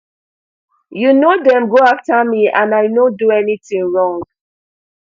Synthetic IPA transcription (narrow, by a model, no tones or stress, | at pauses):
junodɛ̃mɡoaftamiãnaɪnõduɛnitĩŋɹɔ̃ŋɡ